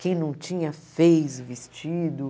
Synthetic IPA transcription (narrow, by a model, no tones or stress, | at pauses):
kẽj̃nɐ̃w̃t͡ʃĩɲɐfejzʊvist͡ʃid̪ʊ